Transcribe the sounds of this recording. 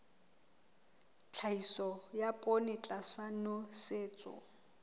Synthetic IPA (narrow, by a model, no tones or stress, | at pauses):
t͡ɬʰaisɔjapʼonɪt͡ɬʼasanʊseːt͡sʼʊ̰